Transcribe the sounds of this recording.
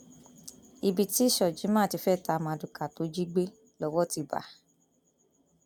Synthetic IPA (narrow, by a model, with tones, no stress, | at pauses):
i˧bi˨ti˦i˦˨ʃɔ˨d͡ʒi˨˦mã˦˨ti˧fɛ˦˨ta˧mã˧du˨ka˨to˨˦d͡ʒi˦ɡ͡be˦ | lɔ˧˦wɔ˦ti˧ba̰˨˦